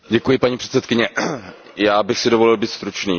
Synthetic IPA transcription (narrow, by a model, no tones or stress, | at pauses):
ɟɛkujɪpaɲiːpr̥ɛ̥t̪sɛt̪kɪɲɛ | jaːbɪxsɪdovo̞lɪlbiːt̪st̪ɾut͡ʃniː